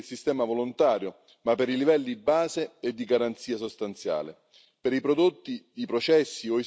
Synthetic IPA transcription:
lsist̪ɛːmavolont̪aːɾjʊ | mapːeɾilivɛlːiibːaːzeed̪ːiɡaɾant̪siːasost̪ant̪sja̰ːlɪ̰ | peɾipɾod̪ot̪ːid̪ipɾot͡ʃɛsːioi

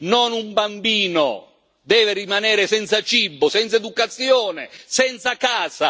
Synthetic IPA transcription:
nɔnumbambiːno̰ | d̪ɛːvɪrimanɛːɾɪsɛnt̪sat͡ʃibːosɛnt̪saed̪ukat̪sːjoːnesɛnt̪sakaːza

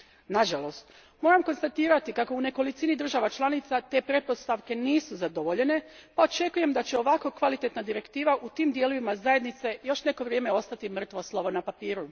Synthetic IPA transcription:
naʒalo̞st̪ | mo̞ːɾamko̞nst̪at̪iːɾat̪ikako̞une̞ko̞lit̪sinid̪r̩ʒaʋat͡ʃlˠanit̪sat̪e̞pɾe̞po̞st̪aʋke̞niːsuzad̪o̞ʋo̞ʎe̞ne̞pao̞t͡ʃe̞kuje̞md̪at͡ɕe̞o̞ʋakokʋalit̪e̞t̪nad̪iɾe̞kt̪iːʋaʔut̪iːmd̪je̞loʋimazaje̞d̪nit̪se̞jo̞ʃne̞ko̞ʋɾje̞ːme̞o̞st̪at̪imr̩t̪ʋo̞slˠo̞ʋo̞napapiːɾu

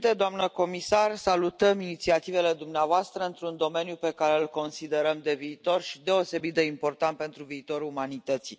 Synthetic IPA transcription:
t̪ed̪oamnəko̞misarsalut̪əminit̪siat̪ive̞le̞d̪umneavoast̪ɾəɨnt̪ɾund̪o̞me̞njupe̞kaɾe̞ɨlko̞nsid̪e̞ɾəmd̪e̞viːt̪o̞rʃi̥d̪e̞o̞se̞bit̪̚d̪e̞impo̞rt̪ant̪̚pe̞nt̪ɾuviːt̪o̞ɾuumanit̪ət̪si

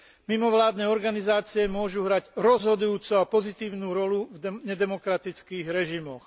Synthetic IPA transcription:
mimɔʋlaːd̪nɛːɔɾɡanizaːt͡siɛmʊɔʒuɦɾaɟɾɔzɦɔd̪ujuːt͡suapɔzit̪iːʊnuːɾɔluvɲɛd̪ɛmɔkɾat̪it͡skiːɣɾɛʒimɔx

